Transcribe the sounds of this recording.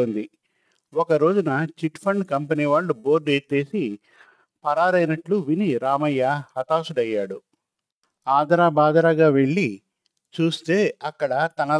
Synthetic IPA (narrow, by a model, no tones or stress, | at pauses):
oːnd̪i | ɔkɐɾo̞ːd͡ʒunɐt͡ʃiʈpʰɐɳɖkɐmpɐniːʋaːɭːubo̞ːɾɖeːt̪ːe̞ːsi | pɐɾaːɾɐjnɐʈluʋiniɾaːmɐjːahɐt̪aːsuɽɐjːaːɽu | aːd̪ɾaːbaːd̪ɾaːɡaːʋe̞ɭːi | t͡ʃuːst̪e̞ːɐkːɐɽɐt̪ɐnɐ